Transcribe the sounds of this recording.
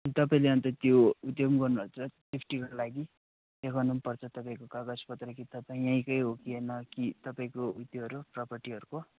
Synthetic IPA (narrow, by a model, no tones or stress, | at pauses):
t̪ʌpaĩleʌnt̪ʌt̪joud̪jʌmɡʌrnubʌt͡sʰʌsipʰʈikʌlaɡi | ekʰʌnunpʌrt͡sʰʌt̪ʌpaĩkokaɡaspʌt̪rʌkit̪ʌpaĩaj̃kʌjɦokienʌkit̪ʌpaĩkoud̪joɦʌɾuprʌpʌrʈiɦʌɾuko